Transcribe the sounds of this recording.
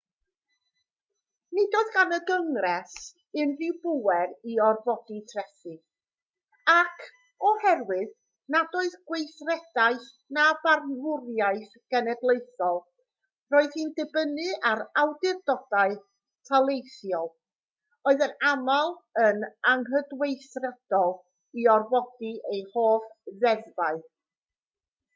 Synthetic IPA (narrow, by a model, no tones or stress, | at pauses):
nɪdɔðɡanəɡəŋrɛs | ɨnrɪwbʊwɛɾiɔrvɔditʰrɛθɨ | akʰ | ɔhɛrwɨð | nadoːɨðɡwejθrɛd̥aɨθ | nabarnvʊrjaɨθ | ɡ̥ɛnɛdlˠejθɔlˠ | roːɨðhiːndɨbənɨaɾawdɪrdɔdaɨ | tʰalˠejθjɔlˠ | oːɨðənamalˠənaŋɦədwejθrɛd̥ɔlˠ | iɔrvɔdiʔejhoːfðɛðvaɨ